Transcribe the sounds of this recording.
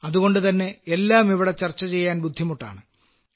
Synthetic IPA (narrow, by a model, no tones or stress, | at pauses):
ɐðuɣo̞ɳɖɨt̪ɐnːe̞ːlːaːmiʋiɽet͡ɕɐrt͡ɕːɐt͡ɕe̞jːaːnbud̪ʱːimuʈːa̰ːɳɨ